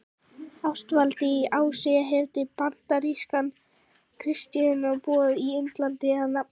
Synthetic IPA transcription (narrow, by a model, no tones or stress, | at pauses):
afst̪valt̪ɪiʔaːwsɛjaɦɛvt̪ɪpant̪aɾiskan | kʰɾɪst̪jɪðɪnapɔːðiɪnt̪lant̪ɪhanːa